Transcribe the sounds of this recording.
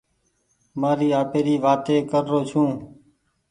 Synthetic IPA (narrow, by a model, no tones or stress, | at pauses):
maːɾiːaːpeːɾiːʋaːt̪eːkəɾːoːt͡ʃʰũː